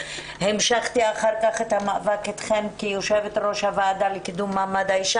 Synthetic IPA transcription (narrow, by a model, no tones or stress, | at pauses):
hemʃaχt̪iaχaʁkaχet̪hamaːvaket̪χemkijoʃevet̪ɾo̞ʃhavaːd̪alekid̪umːaːmad̪aiʃa